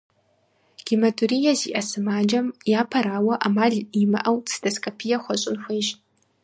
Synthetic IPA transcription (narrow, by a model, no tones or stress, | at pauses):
ɡ̥imɐdʰuɾijɐziːʔɐsɨmaːd͡ʒɐmjaːpʰɐɾaːwɐʔamaːɮimɐ̰ʔɐwt͡sʰɨ̥dʰɐskʰʼopʰijɐxʷɐɕʼɪnxʷeːʒ